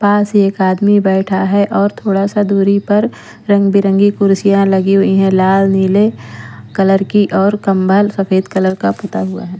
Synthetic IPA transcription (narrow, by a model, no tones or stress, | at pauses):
paːseːkaːd̪mibɛːʈʰaɦɛʔɔːɾt̪ʰoːɽasad̪uːɾipɐɾ | ɾɐ̃ŋɡbɪɾə̃ŋɡikʊɾsijãlɐɡiɦʊiɦɛ̃laːlniːlekɐləɾkiʔɔːɾkɐmbʱəlsɐfeːd̪kɐləɾkapʊt̪aɦʊa̰ɦɛː